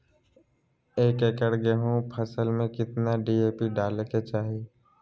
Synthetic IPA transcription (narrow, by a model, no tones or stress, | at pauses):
eːkekəɽɡeɦũpʰɐsəlmẽkɪt̪naɖiːeːpiɖaːlket͡ʃaːɦeː